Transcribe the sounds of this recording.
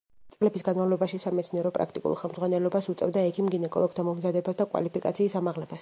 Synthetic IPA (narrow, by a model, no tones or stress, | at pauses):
t̪sʼlɛbisɡanmavlˠɔbaʃisamɛt̪sʰniɛɾɔpʼɾa̰kʰt̪ʼḭkʼṵlˠχɛlmdzʁwanɛlɔbasut̪sʼɛ̰vd̪aɛkʰimɡinɛkʼɔ̰lˠɔɡt̪ʰamɔmzad̪ɛbasd̪akʼwa̰lipikʼa̰t̪sʰiːsamaʁlɛbʰas